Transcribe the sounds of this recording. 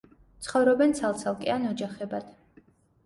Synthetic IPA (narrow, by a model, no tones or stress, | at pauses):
t̪sʰχɔvɾɔbɛnt̪sʰalˠt̪sʰalˠkʼɛanɔd͡ʒaχɛbad̪̥